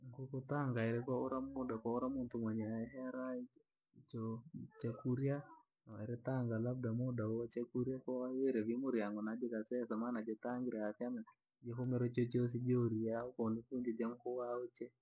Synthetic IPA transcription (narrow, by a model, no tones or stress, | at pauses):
ŋɡokotaŋɡaeɾɛkɔoɾamodakwaoɾamʊntomwaɲaɛɦɛɾad͡ʒ | t͡ʃot͡ʃekuɾja | naaeɾetaŋɡalab̚damodaoat͡ʃekuɾjakɔaeɾɛβimoɾjaŋɡonadekasɛsamanad͡ʒetaŋɡɪɾaasjamɛ | d͡ʒekomɛɾɔt͡ʃot͡ʃos̬id͡ʒeoɾiaokɔnikund͡ʒed͡ʒamkowaot͡ʃe